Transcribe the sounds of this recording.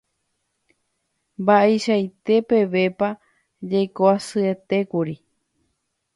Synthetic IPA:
mbaʔeʃajt̪e̞pe̞ʋe̞pa | d͡ʒajkoasɨe̞t̪e̞kuɾi

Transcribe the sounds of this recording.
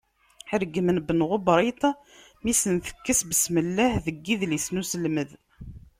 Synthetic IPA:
ħəɾɡːmənbənʁʊbɾˤit̪ˤ | misənθə̥kːəsbəsməlːæhðəɡːiðlisnusəlməð

